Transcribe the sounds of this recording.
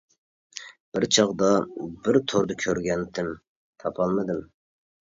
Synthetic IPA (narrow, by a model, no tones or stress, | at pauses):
b̥ɪɾt͡ʃʰɑʁd̪ɑbɪɾt̪ʰoɾd̪ɑkʲʰøɾɡʲɛnt̪ʰɪm | t̪ʰɑpʰɑlˠmɨd̪ɨm